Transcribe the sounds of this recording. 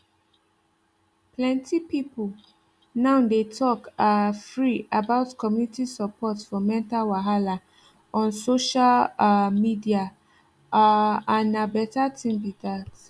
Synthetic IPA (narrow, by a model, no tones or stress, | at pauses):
plɛ̃ntipipul | nãʊdetʰɔkafɹiabaʊtkʰɔmjunitisapɔtfɔmɛ̃ntalwaɦala | ɔ̃nsoʃalmidia | aanabɛtatʰĩmbiðat